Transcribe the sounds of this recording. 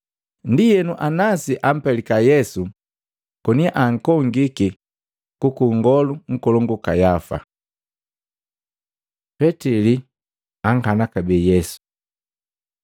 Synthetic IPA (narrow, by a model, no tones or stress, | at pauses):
ndijɛnuʔanasiʔam̩pɛlikajɛsu | kɔniaʔaŋ̩kɔŋɡiki | kukuŋɡɔluŋ̩kɔlɔŋɡukajafa̰ | pɛtili | aŋ̩kanakabɛjɛsu̥